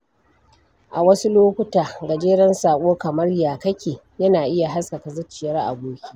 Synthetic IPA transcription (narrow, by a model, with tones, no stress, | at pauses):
ʔa˨wɐ˦su˦loː˦kʷʊ˦taː˨ɡɐ˨d͡ʒeː˦ɽɐ˦nsaː˨kʷʼoː˦kɐ˨mɐ˦rjaː˨kɐ˦kʲeː˨ | jɐ˦naː˨ʔɪ˦ja˨ɦa˦skɐ˨ka˨zɐ˦t͡ʃːɪ˨jɐ˦rʔa̰˨boː˦kʲi̥˦